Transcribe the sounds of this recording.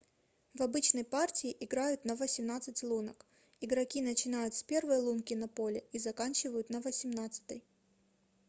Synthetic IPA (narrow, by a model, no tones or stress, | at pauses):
vɐbɨt͡ɕnəjpartʲɪɪʔɪɡɾajʊt̪nɐvəsʲɪmnat̪sɨtʲlˠunək | ɪɡɾɐkʲinət͡ɕɪnajʊt̪spʲe̞rvəjlˠunkʲɪnɐpolʲɪizɐkanʲt͡ɕɪvəjʊt̪nɐvəsʲɪmnat̪sɨ̥t̪ɨj